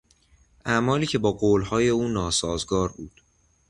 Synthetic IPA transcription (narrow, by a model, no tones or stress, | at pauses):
ʔæmɒːliːcʰe̞bɒːɡoːlhɒːje̞uːnɒːsɒːzɡɒːɾbuːd̪̥